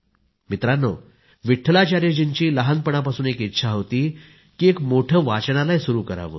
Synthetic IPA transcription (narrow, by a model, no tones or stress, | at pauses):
mit̪ɾanːɔ̰ | ʋiʈʰːlat͡ɕaɾed͡ʑiɲt͡ɕiːləɦanpəɽ̃apasuːnekit̪ːɕʰaɦot̪iː | kiekmoʈʰəːʋat͡ɕɽ̃alajsuɾuːkəɾa̰ʋə̰ː